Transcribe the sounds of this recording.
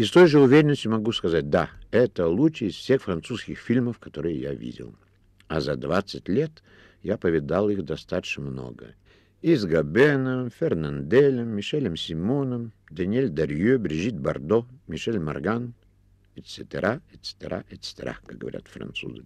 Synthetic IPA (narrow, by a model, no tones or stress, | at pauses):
ist̪ojʐəʊvʲeɾʲɪnəsʲtʲʊmɐɡuskɐzat̚ʲd̪aɛt̪əlˠut͡ʃəːsfsʲe̞xfrɐnt̪suskʲɪxfʲilʲməfkɐt̪oɾɨjəja̰vʲḭdʲɪ̰lˠ | azɐd̪vat̪sːətʲlʲet̪ | japəvʲɪd̪alˠixd̪ɐst̪at̪ə̥ɕnəmno̰ɡə̰ | izɡɐbɛnəmfʲɛrnand̪ɛlʲəmːʲɪʂɛlʲəmsʲɪmonəm | d̪ɐnʲɪelʲd̪ɐrʲjøbɾʲɪʐit̪̚bɐrd̪omʲɪʂɛlʲmɐ̰rɡan | ɛt̪sɛt̪ʲəɾʔaɛt̪sɛ̥t̪ʲəɾa̰ʔɛt̪st̪ʲəɾa̰kaɡ̚ɡə̰vɐ̰ɾʲa̰t̪fɾɐ̰nt̪sṵzɨ